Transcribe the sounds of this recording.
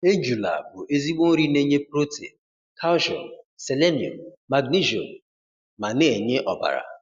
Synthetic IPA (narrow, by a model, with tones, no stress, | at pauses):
e˦d͡ʒu˨la̰˨bʊ˨ʔe˦zi˦ɡ͡bo˦ɾi˦ne˦ɲe˦pɾo˦tḛ˨ | kʰa˦wʒɔ̰˨se˨le˦ni˨o̰˨mma˨ɡni˦ʒo̰˨m | ma˨ne˦˨e˨ɲe˦ʔɔ˨ba̰˨ɾa̰˨